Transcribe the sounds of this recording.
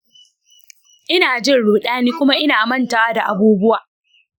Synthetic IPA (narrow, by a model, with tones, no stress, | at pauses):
ʔɪ˦naː˨d͡ʒɪ˦˨nɽoː˨ɗaː˦niː˦kʷʊ˦ma˦ʔɪ˦naː˨mɐ˦˨nta˨waː˦da˨ʔa˨buː˦bʊ˦waː˨